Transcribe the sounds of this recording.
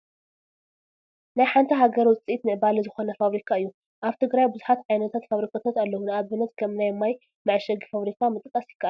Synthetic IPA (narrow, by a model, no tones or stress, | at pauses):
najħant̪ʰɐɦaɡɐɾwɔt͡sʼiit̪nɨʔɨbalɐzɨxonɐfaβɾikʰaɨjːu | ʔaβt̪ʰɨɡɾajbɨzuħat̪ʕajnɐt̪ʰat̪faβɾikʰat̪ʰat̪alːɐwunɨaβɨnːɐt̪kʰɐmnajmːaj | maʕʃɐɡifaβɾikʰamɨt̪ʼkʼɐsjɪ̥kːaʔa